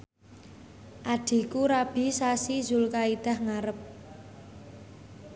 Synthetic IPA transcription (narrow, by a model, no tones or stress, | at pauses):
ʔaɖ̪̥i̤kuɾab̥i̤sasizulkaid̪̥a̤hŋaɾəp̚